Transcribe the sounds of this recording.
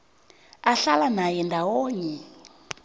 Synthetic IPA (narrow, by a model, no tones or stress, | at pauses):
aɬalanajɛndʱawoːɲɛ